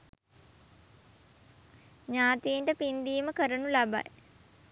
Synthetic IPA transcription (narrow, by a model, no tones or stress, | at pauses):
ɲaːt̪iːɳʈəpind̪iːməkəɾənulaba̰j